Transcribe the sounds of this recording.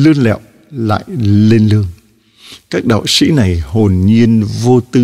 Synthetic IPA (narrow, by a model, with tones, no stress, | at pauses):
lɨ˧ənlɛ̰˧˨w | la̰ː˧˨jle˧nlɨ˧əŋ | kaː˦˥k̚ɗa̰ː˧˨wsḭ˧˥na˨˩jho˨˩nɲi˧ənvo˧t̪ɨ˧